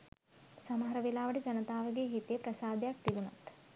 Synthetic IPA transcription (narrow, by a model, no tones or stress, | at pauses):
sɐmɐɦɐɾɐʋilaːʋɐɽed͡ʒɐnɐt̪aːʋɐɡeɦit̪eːpɾɐsaːd̪ʱjaːk̚t̪iɡunɐ̰t̪